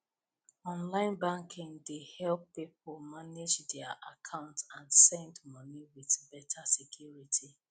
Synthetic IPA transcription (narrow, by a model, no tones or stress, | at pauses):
ɔ̃nlãɪ̃nbãŋkʰĩŋdehɛlpːip̚olmaned͡ʒdɛaʔakʰãʊ̃ntãnsɛ̃ndmɔniwiθbɛtʰasikʰjuɹitʰi